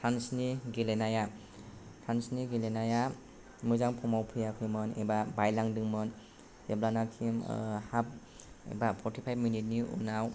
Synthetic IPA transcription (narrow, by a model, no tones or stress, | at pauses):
tʰansniɡelenaja | tʰansniɡilenaja | mɯzaŋpʰɔmawpʰɯjakʰɯjmɯnḛbabajlaŋdɯŋmɯn | eblanakʰimhap̚ | ḛbapʰɔɾtʰipʰajb̚minit̚niṵnaw